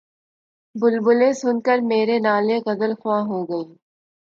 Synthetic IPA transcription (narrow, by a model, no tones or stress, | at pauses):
bʊlbʊlẽsʊnkəɾmeːɾenaːleqɐd̪əlxwãːɦoːɡɐiː